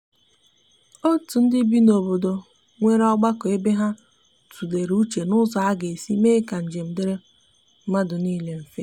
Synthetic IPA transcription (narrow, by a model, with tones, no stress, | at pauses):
o˦tu˨n̩˦dɪ˦bi˦no˨bo˨do˨ | ŋʷe˦ɾɔ˦ɡ͡ba˦kɔ˨e˦be˦ɦa˦ | tʰu˨le˨ɾu˦t͡ʃe˨nʊ˦zɔ˨a˦ɡe˨si˦meː˦ka˨n̩˨d͡ʒe˨m̩˦dɪ˦ɾe˦ | ma˦dʊ˨niː˦le˦m̩˨fe˦